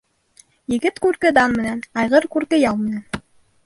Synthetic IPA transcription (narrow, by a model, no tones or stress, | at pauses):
jɘ̆ɡɘt̪kʉɾkɘd̪ɑnmɘ̆nænɑjʁɤɾkʉɾkɘjɑlˠmɘ̆næn